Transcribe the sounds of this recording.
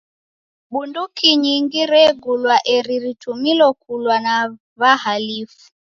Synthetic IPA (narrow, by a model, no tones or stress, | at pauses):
ɓundukiɲiŋɡiɾɛɡulwaʔɛɾiɾitumilɔkulwana | βahalifu̥